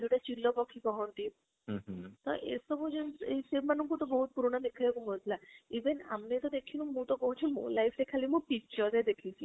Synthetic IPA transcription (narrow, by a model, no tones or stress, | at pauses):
deʈat͡ʃilːɔpɔkʰikɔɦɔ̃nt̪i | t̪ɔ̰ʔḛsɔbɔd͡ʒunesemanɔŋkut̪ɔbɔɦut̪̚puɾɔɽ̃ɔnikʰaekumɔd̪ʱlaiʋena̰mnet̪ɔd̪ekʰinũmũt̪ɔkɔɦut͡ʃʰumṵ̃lajpʰɾekʰalimũpik̚t͡ʃɔɾzed̪ekʰit͡ʃʰi